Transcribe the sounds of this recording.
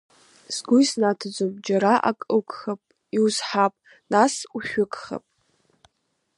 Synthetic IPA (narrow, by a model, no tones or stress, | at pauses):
z̥ɡʊjsnatʰad͡zʷop̚ʼd͡ʒaɾaʔa̰kʼɨkʰʼχapʼ | iwzħapʼ | nasuʃᶣʊkʼχa̰pʼ